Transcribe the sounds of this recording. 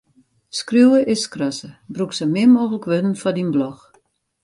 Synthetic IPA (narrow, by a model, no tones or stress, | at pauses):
skrjuwəʔɪskrɔsəbruksəmɪmoːɣələkʋødən̩fɔdinblɔx